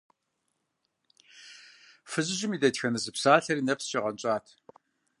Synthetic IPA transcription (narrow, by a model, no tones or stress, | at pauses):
fɨʑɪʑɪmiːdɐtxɐnɨzɨpsaːɬɐɾiːnɐpsʃeʁɐnt͡ʃʼaːtʰ